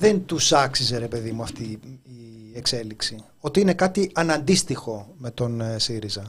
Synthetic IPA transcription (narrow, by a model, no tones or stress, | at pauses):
ðe̞nt̪usɐksize̞ɾe̞pe̞ðimuɐft̪iː | e̞kse̞liksi | o̞t̪iine̞kɐt̪iʔɐnɐnd̪ist̪ixo̞me̞t̪o̞nsiɾizɐ